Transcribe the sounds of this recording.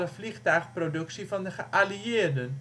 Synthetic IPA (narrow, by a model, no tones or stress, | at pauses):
ləvliχtœːχprodɵksivɑndəχəʔaliɪːrdən